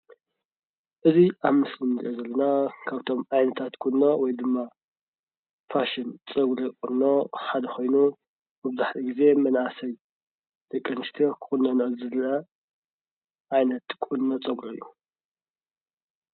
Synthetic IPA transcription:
ʔɨziʔaβmɨslɨmziʔozɐlːɐnakʰaβt̪ʰo̞mʕajnɐt̪ʰat̪kʰunːo̞wɔjd̪ɨmːa | faʃɨnt͡sʼɐɡɾɐkʼunːo̞ħad̪ɐxo̞jnu | mɨβɨzaħliɡize̞mɐnʔasɐj | d̪̥ɐkʼːɐnɨst̪ʰiokʰɨ̥xunːɐnɐʔɨlzɨlɐ | ʔajnɐt̪kʷʼunːot͡sʼɐɡɾoɨjːu

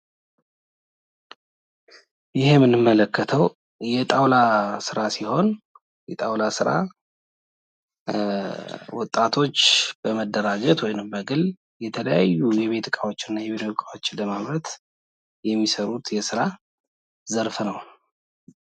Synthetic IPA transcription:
jɪhemːɨnːɨmːələkːət̪ʰəw | jɛt̪ʼawlasɨɾasiho̞n | jɛt̪ʼawlasɨɾa̰ | wɔt̪ʼːat̪ʰo̞t͡ʃːb̥əməd̪ːəɾad͡ʒɛt̪wɔjnɨmbəɡɨl | jɛt̪ʰələjajːujɛβe̞t̪kʼawo̞t͡ʃːɪnːajɛβet̪okʼawo̞t͡ʃːɪləmaβɾət̪ | jɛmːisəɾut̪jɛsɨɾa | zəɾfnəw

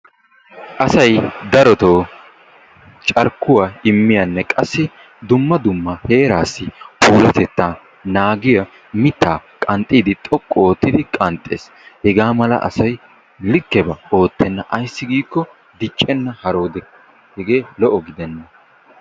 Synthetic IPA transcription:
ʔɐsɐjd̪ɐɾɔt̪oː | t͡ʃʼɐɾkːʊwaːɪmːɪjɐnːɛkʼɐsːɪ | d̪ʊmːɐd̪ʊmːɐhe̞ːɾaːsːɪpʰuːlɐt̪ɛt̪ːaː | naːɡɪjɐ | mɪt̪ːaːkʼɐnt̪ʼiːd̪ɪt̪ʼɔkʼːoːt̪ːɪd̪ɪkʼɐnt̪ʼːḛːs | hɛɡaːmɐlɐ̰ʔɐ̰sɐj | lɪkːɛbɐo̞ːt̪ːɛnːɐʔɐjsːɪɡiːkːɔ | d̪ɪt͡ʃʼːɛnːɐhɐɾo̞ːd̪ɛ | hɛɡe̞ːlɔʔɔɡɪd̪ɛnːɐ

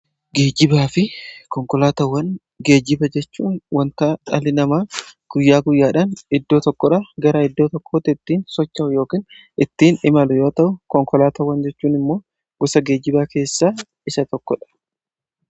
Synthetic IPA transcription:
ɡeːd͡ʒɪbaːfɪkɔŋkɔlaːt̪ɐwːɐn | ɡe̞ːd͡ʒɪbɐd͡ʒɛt͡ʃːuːnwɐnt̪aːᶑɐlɪnɐmaːɡ̥ʊjːaːɡʊjːaːᶑɐnɪd̪ːo̞ːt̪ɔkːɔᶑaːɡɐɾɐɪd̪ːoːt̪ɔkʰːoːt̪ɪɪt̪ːiːnsɔt͡ʃːɐʔʊjo̞ːkiːn | ɪt̪ːiːnɪmɐlʊjoːt̪ɐʔʊkɔŋkɔlaːt̪ɐwːɐnd͡ʒɛt͡ʃːuːnɪmːo̞ː | ɡʊsɐɡe̞ːd͡ʒɪbaːke̞ːsːaː | ɪsɐt̪ɔkːɔᶑɐ̥

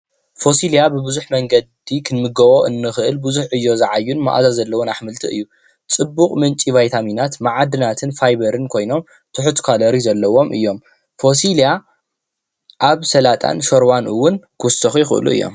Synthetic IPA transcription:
fo̞siljabɨbɨzuħmɐŋɡɐd̪ikʰɨnmɨɡɐwo̞ʔɨnːɨxɨʔɨlbɨzuħʔɨjːo̞zɐʕajːunmaʔa̰zazɐlːɐwonaħmɨlt̪ʰiɨ̰jːu | t͡sʼɨbːuqʼmɨnt͡ʃʼivajt̪ʰaminat̪maʕad̪ɨnat̪ʰɨnfajbɐɾɨnkʰo̞jno̞m | t̪ʰʊħut̪kʰalɐɾizɐlːɐwo̞mʔɨ̰jːo̞m | fo̞silja | ʔaβsɐlat̪ʼʰa̰nʃoɾwanʔɨwʊnkʰɨwɔst̪ɐxujɪxɨʔɨ̰lṵɨ̰jːo̰m

